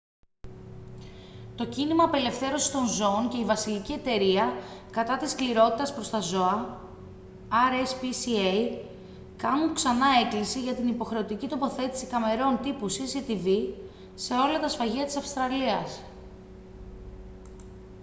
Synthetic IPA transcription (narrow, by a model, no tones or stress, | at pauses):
t̪o̞cinimɐːpe̞le̞fθe̞ɾo̞si̥st̪o̞nzo̞ːnce̞ivɐsilicie̞t̪e̞ɾiɐkɐt̪ɐt̪iskliɾo̞t̪it̪ɐspɾo̞st̪ɐzo̞ɐ | ɐɾespisiej | kɐnuŋksɐnɐe̞klisiʝɐt̪inipo̞xɾe̞o̞t̪icit̪o̞po̞θe̞t̪i̥si̥kɐme̞ɾo̞nt̪ipusisit̪ivi | se̞o̞lɐt̪ɐsfɐʝiɐt̪i̥sɐfst̪ɾɐliɐs